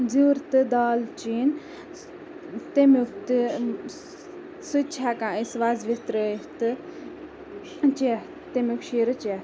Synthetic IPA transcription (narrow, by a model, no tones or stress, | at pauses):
d͡ziɾt̪ɨd̪aːlt͡ʃiːn | t̪emukt̪ɨ | sut͡ʃʰakãːisʋazʋit̪ɾət̪ɨ | t͡ʃe | t̪emukʃiːɾɨt͡ʃe